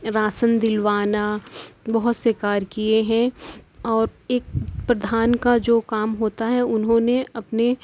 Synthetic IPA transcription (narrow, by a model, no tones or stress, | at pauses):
ɾaːsənd̪ɪlʋaːnabɐɦʊt̪seːkaːɾkieɦɛ̃ɔːɾeːk̚pɾɐd̪ʱaːnkad͡ʒoːkaːmɦoːt̪aɦɛʊnɦõneɐpne